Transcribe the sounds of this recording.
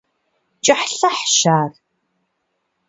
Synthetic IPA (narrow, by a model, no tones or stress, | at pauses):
t͡ʃʼɐħɬɐħʃaːr